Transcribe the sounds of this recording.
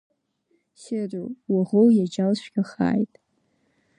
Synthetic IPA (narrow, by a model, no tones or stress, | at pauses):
sɪrʷowaʁowjad͡ʒalʃʷɡʲaχa̰ːjtʼ